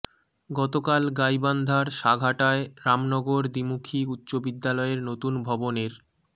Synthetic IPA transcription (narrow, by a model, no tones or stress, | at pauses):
ɡɔt̪okalɡajband̪ʱaɾʃaɡʱaʈaeɾamnɔɡoɾd̪imukʰiut̪ːɕobid̪ːalɔeɾnot̪unbʱɔboneɾ